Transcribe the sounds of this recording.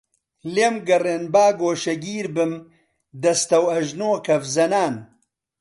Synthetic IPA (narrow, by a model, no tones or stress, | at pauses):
leːmɡɐreːnbaːɡoːʃɐɡiːɾbɨm | d̪ɐst̪ɐwɐʒnoːkɐfzɐnaːn